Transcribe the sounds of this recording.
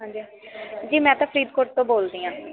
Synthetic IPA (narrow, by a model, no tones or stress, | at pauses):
ɦãːd͡ʒiː | d͡ʒiːmɛ̃ːt̪ãːpʰəɾiːd̪koːɾt̪ːõːboːld̪iːãː